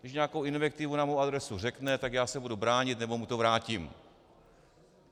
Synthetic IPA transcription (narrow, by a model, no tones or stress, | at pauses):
dɪʃɲaːko̞wɪnvɛk̚t̪ɪvunamowʔad̪ɾɛsurɛknɛt̪akjaːsɛbudubɾaːɲɪt̪nɛbo̞mut̪o̞vɾaːcɪm